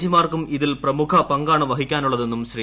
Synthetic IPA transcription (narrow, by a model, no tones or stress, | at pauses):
d͡ʑimaːrkumiðilprɐmukʰɐpɐŋɡaːɳɨʋɐɦikʲːaːnuɭːɐðe̞nːumɕri